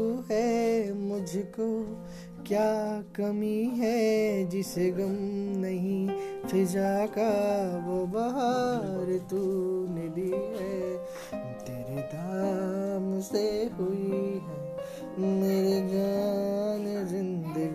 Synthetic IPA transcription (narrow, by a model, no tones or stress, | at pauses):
ɦɛmʊd͡ʒʱko | kjaːkɐmiɦɛd͡ʒɪseɣɐmnɐɦĩt̪ʰɪd͡ʒakaʋobɐɦaɾt̪unɪd̪iɦɛ | t̪eːɾed̪aːmseɦʊiɦɛ | meːɾed͡ʒaːnzɪ̃nd̪əɡ